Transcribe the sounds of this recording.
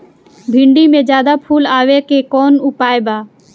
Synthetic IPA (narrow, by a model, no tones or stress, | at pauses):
bʱɪɳɖiːmẽːd͡ʒjaːd̪aːpʰuːlaːʋeːkeːkoːnʊpaːebaː